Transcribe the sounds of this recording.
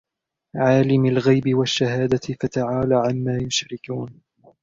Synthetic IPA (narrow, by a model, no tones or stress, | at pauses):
ʕaːlɪmalɣajbɪwaʃːaɦaːd̪aɪfat̪aʕaːlaːʕamːaːjʊʃɾɪkuːn